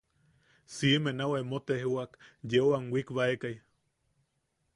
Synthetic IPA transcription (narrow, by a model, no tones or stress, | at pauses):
simenawemot̪ehuakjeoaŋwikβaekaj